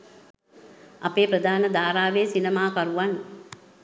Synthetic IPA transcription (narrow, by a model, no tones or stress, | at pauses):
apeːpɾəd̪aːnəd̪aːɾaːʋeːsinəmaːkaɾuʋan